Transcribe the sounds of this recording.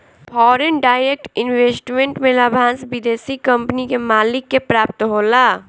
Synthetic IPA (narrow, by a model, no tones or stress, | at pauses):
pʰɔːɾenɖaːɪɾek̚ʈɪnweːsʈmẽɳʈmẽlabʱãːnsbɪd̪eːsikɐ̃mpnikemaːlɪkːepɾaːp̚t̪ɦoːlaː